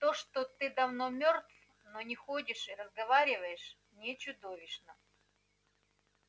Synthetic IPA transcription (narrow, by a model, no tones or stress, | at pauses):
t̪oʂt̪ot̪ɨd̪ɐvnomʲort̪f | nonʲɪxodʲɪʂɨɾəzɡɐvaɾʲɪvəjɪʂ | nʲɪt͡ɕʊd̪ovʲɪʂnə